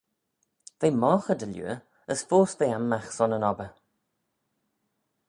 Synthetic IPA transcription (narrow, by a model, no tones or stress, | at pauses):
v̥eːmɔːxədəljṵə | əsfoːsðejamːaxsɔnənɔbə